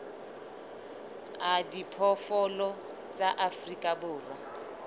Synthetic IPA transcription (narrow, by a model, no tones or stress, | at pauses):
adipʰɔfɔlɔ | t͡sʼaʔafrikʼabʊːra